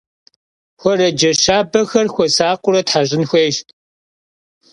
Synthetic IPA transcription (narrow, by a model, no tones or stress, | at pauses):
xʷɔrɐd͡ʒɐʃaːbɐxɐrxʷɔsaːqʷʼʊɾɐtħaʑʼɪnxʷejʃtʼ